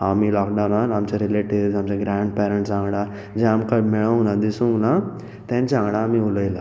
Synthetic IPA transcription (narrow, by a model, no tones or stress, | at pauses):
amilɔkɖananamt͡ɕaɾileʈiʋd͡zamt͡ɕaɡɾaɳɖpɛɾə̃ɳʈsãŋɡɽa | d͡ʑẽamkameɭəŋɡnad̪isũŋɡna | t̪ãɲt͡ɕãŋɡɽaːmiuləjla